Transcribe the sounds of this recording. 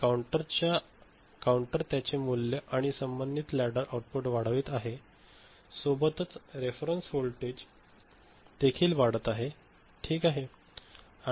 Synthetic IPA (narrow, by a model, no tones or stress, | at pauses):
kauɳʈəɾt͡ɕja | kauɳʈəɾt̪jat͡ɕemulːjəʔaɽ̃isəmbənd̪it̪læɽəɾʔauʈ̚puʈʋaɽ̤ʋiːt̪aɦe | sobət̪ət͡sɾefɾənsholʈed͡ʑ | d̪̥ekʰiːlʋaɽ̤ət̪aɦe | ʈʰiːkaɦe